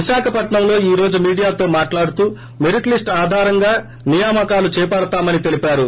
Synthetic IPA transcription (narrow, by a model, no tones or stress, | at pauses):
iʃaːkʰɐpɐʈɳɐmlo̞ːiːɾo̞ːd͡ʒumiːɽijaːt̪o̞ːmaːʈlaːɽut̪uː | meɾiʈlisʈaːd̪ʱaːɾɐŋɡaː | nijaːmɐkaːlut͡ʃɛːpɐɽɐt̪aːmɐnit̪e̞lipaːɾu